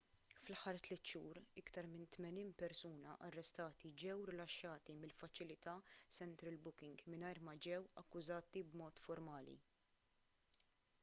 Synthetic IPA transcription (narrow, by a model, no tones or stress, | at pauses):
flɐħɐɾt̪lɛt̪ːʃuːɾɪkt̪ɐɾmɪnt̪mɛniːnpɛɾsuːnɐʔɐrːɛst̪ɐːt̪id͡ʒɛwɾɪlɐʃːɐːt̪imɪlfɐt͡ʃɪlɪt̪ɐsɛnt̪ɾɪlbʊkɪŋɡmɪnɐjɾmɐd͡ʒɛwɐkːʊzɐːt̪ibmɔːt̪fɔɾmɐːlḭ